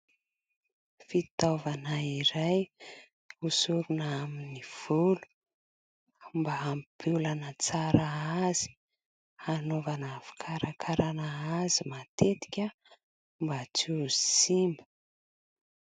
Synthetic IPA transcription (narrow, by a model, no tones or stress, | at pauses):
fit̪ovanaiɾaj | usuɾunaminiv̥ulu̥ | mbaampʰulanət͡saɾaaz̥i̥ | anovanavi̥kʰaɾakʰaɾanaazimat̪et̪i̥kʲə | mbat͡suzi̥simə̥